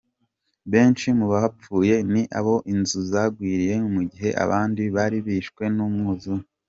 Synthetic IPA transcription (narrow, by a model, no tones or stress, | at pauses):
βe̞ːnt͡ʃimuβahap͡fuːje̞niʔaβo̞ʔinzuzaɡwiːɾije̞umuɟiɦe̞ʔa̰βaːndiβaɾiβiːʃkwe̞nuːmŋuːzu